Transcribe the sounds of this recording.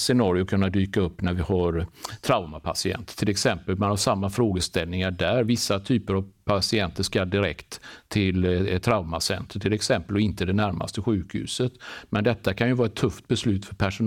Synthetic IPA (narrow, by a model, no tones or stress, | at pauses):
sɛnɑːɾɪʊkʰɵnːad̪yːkaɵpːnæɾvɪhaɾt̪ʰɾaʊmapʰa̰sɪɛ̰nt̪ə̥tʰːɪlɛksɛmpəlmanhaʂamːafɾoːɡəst̪ɛlnɪŋaɖæɾvɪsːat̪ʰyːpəɾavpʰasɪɛnt̪əʂkald̪ɪɾɛkt̪ʰːɪlt̪ʰɾaʊmasɛ̰nt̪ɾəʈ̪ʰɪlɛksɛmpəlɔɪnt̪əd̪ɛnæɾma̰st̪əɧʉ̟ːkhʉ̟̰ːsət̪mɛnd̪ɛt̪ːakʰanjɵvɑːɾɛt̪ʰːɵft̪̚bɛslʉ̟ːt̪fœɾpʰæʂʊn